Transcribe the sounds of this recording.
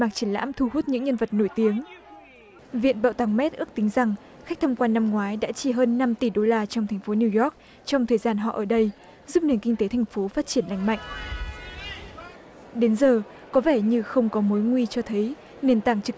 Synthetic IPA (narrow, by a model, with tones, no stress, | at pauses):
maː˨˩k̚t͡ɕi˧˩ənla̰ː˧˥mt̪ʰu˧˩huː˦˥t̚ɲɨ̰˧˥ŋɲə˧nvə˨˩t̚no˧˩jt̪i˨˦əŋ | vḭ˧˨ənɓa̰ː˧˨wt̪ʰaː˨˦ŋmɛ˦˥t̚ʔɨ˦˥k̚t̪ï˨˦ŋ̟za˨˩ŋ | xa˦˥k̟̚t̪ʰə˧mŋ͡mkwaː˧nːa˧mŋwaː˨˦jɗa̰ː˧˥t͡ɕi˧˨˩ɦəː˧nːa˧mt̪i˧˩ɗo˧laː˧t͡ɕɔ˧wŋ͡mt̪ʰɛ˨˩jŋ̟fo˨˦ni˧wjɔ˦˥k̚ | t͡ɕɔ˧wŋ͡mt̪ʰəː˨˩jzaː˧nɦɔ̰˧˨ʔəː˧˩ɗə˧j | zu˦˥p̚ni˨˧˩ənkï˧ŋ̟t̪e˨˦t̪ʰa˨˩jŋ̟fo˨˦faː˦˥t̚t͡ɕi˧˩ənla̰˧˨jŋ̟ma̰˧˨jŋ̟ʔ | ɗe˨˦nzəː˨˩ | kɔ˨˦vɛ˧˩ɲɨ˧xə˧wŋ͡mkɔ˨˦mo˨˦jŋwi˧t͡ɕɔ˧t̪ʰə˨˦j | ne˧nt̪aː˧˩ŋt͡ɕɨ˨˦k̚